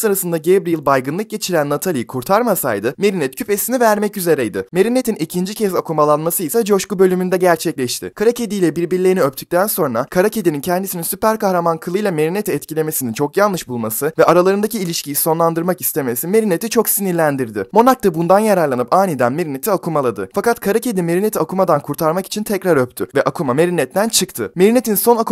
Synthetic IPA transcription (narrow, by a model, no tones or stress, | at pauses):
sɯɾasɯnd̪aɟebɾijilˠbajɡɯnˠɯk̚ɟe̞t͡ʃʰiɾænːat̪ʰalʲijikʰuɾt̪ʰaɾmasa̰jd̪ɯme̞ɾinɛt̪cʰype̞sinivæɾmɛcyze̞ɾɛjd̪ɯme̞ɾine̞t̪ʰinicʰind͡ʒicʰɛzakʰumalˠanmasɯisad͡ʒo̞ʃkubø̞lʲymynd̪ɛɟæɾt͡ʃʰɛclʲɛʃt̪ʰɪ̰kʰaɾacʰe̞d̪ijlʲɛbiɾbiɾlʲeniøp̚t̪ʰy̥c̚ʲt̪ʰænso̞nɾakʰaɾacʰe̞d̪inincʰɛnd̪isininsypæɾkahɾamankʰɯlˠɯjlˠame̞ɾine̞t̪ʰiːt̪cilʲe̞me̞sinint͡ʃʰo̞kjalnlˠɯʃbulˠmasɯvɛʔaɾalˠaɾɯnd̪aciːlʲiʃcijiso̞nlˠand̪ɯɾmaki̥st̪ʰe̞me̞sime̞ɾine̞t̪ʰit͡ʃʰo̞ksiniɾlʲænd̪iɾd̪ɪ̰mo̞nak̚t̪abund̪anjaɾaɾlˠanɯpaːnid̪ænme̞ɾine̞t̪ʰiakʰumalˠad̪ɯ̰fakat̪kʰaɾace̞d̪ime̞ɾinet̪ʰiakʰumad̪ankʰuɾt̪ʰaɾmaki̥t͡ʃʰint̪ʰɛcɾaɾøp̚t̪ʰyvɛʔakʰumame̞ɾinɛt̪ːænt͡ʃʰɯkt̪ʰɯme̞ɾine̞t̪ʰinso̞naku